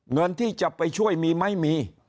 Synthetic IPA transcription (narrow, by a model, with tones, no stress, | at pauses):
ŋɤ˧nt̪ʰiː˥˩t͡ɕa˨˩pːa˧jt͡ɕʰu˥˩əjmiː˧ma˥˩jmiː˧